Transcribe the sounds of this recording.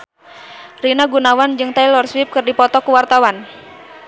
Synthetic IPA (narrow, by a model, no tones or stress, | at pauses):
rinaɡunawand͡ʒɨŋt̪ajlɔrswɪp̚kɨrdipɔt̪ɔkuwart̪awan